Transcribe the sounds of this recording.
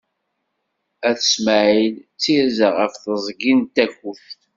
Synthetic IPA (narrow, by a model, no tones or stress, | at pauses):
æθə̥sməʕilt͡sːizəʁəfθəzˤɡint̪ækːuθ